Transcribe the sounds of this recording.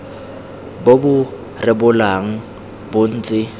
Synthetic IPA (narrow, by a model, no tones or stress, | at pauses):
bobʊ | rɪbʊlaŋ̩ | bʊn̩ːt͡sʼɪ